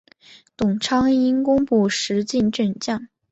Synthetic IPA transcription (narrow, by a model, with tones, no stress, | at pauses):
t̪ʊ˨˩ŋʈ͡ʂʰɑ˥ŋi˥nkʊ˥ŋpu˥˩ʂɻ̩˧˥t͡ɕi˥˧nʈ͡ʂə˥˩nt͡ɕjɑ˥˩ŋ